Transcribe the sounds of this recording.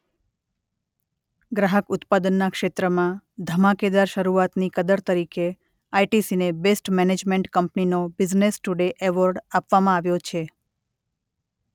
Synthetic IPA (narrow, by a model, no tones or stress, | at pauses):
ɡɾaɦəkʊt̪pad̪ənːakʃet̪ɾəmãd̪ʱəmaked̪aɾʃəɾuat̪nikəd̪əɾt̪əɾike | ajʈisinebesʈmɛned͡ʒmeɳʈkəmpninobɪd͡ʒnesʈuɖeʔeʋəɾɖapʋamãaʋjot͡ʃʰe